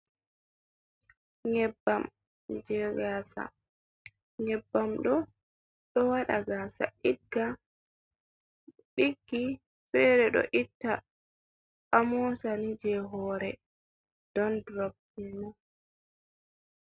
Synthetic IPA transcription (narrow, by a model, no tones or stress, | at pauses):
ɲɛbːam | d͡ʒɛɡaːsa̰ | ɲɛbːamɗɔ | ɗɔwaɗaɡaːsa̰ʔiɡa | ɗiɡːi | fɛɾɛɗɔ̰ʔitːa | ʔamɔsanid͡ʒɛɦɔːɾɛ | d̥ɔndɾɔb | imu